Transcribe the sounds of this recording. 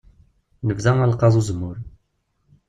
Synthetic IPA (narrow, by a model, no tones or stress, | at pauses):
nəvzæŋælqɑðˤuzəmːʊɾ